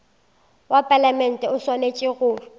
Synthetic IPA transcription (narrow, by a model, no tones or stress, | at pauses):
wapʼalamɛn̩tʼɛʊswanet͡ʃʼɪɣʊːrʊ